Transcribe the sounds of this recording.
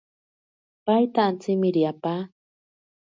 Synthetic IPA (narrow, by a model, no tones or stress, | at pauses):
pajt̪aːnt͡sɪmɪɾiapa